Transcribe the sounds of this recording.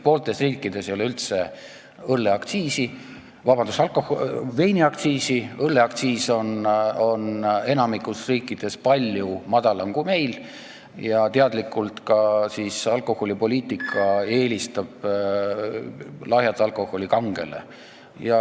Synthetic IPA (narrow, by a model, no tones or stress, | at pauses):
poːlt̪e̞sriːkːˑid̪̥e̞sjoleylt̪se̞ | ɤlːe̞ɑkt̪siːsi | vɑbɑnd̪usɑlkohve̞jniɑk̚t̪siːsiɤlːeɑkt̪siːso̞no̞ne̞nɑmikˑusriːkːˑid̪̥e̞spɑlʲjumɑd̪̥ɑlɑŋkume̞jl | jɑt̪e̞ɑd̪̥likːˑult̪kɑsisɑlkˑo̞ho̞lʲipo̞lʲiːt̪ːˑikʰːˑɑe̞ːlʲist̪ɑb̥ | lɑɦjɑt̪ːˑɑlko̞ho̞lʲikɑŋɡ̥e̞̰le̞̰ | jɑ